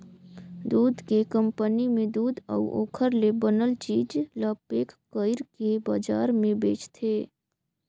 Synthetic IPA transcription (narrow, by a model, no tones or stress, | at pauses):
d̪uːd̪kekə̃mpənimẽd̪uːd̪ə̰uʔo̰ːkʰəɾlebənəlt͡ʃiːd͡ʒlaːpeːkkəɪɾkebaːd͡ʒa̰ːɾmẽbeːt͡ʃt̪ʰeː